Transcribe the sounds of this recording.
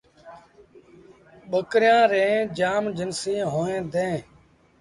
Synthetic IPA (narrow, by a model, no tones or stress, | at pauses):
ɓəkɾɪjãːɾẽːd͡ʒaːmd͡ʒənsĩːɦoːẽːd̪ẽː